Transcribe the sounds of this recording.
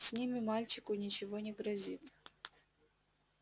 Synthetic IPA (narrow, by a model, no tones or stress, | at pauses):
sʲnʲimʲɪmalʲt͡ɕɪkʊnʲɪt͡ɕɪvonʲɪɡɾɐzʲit̪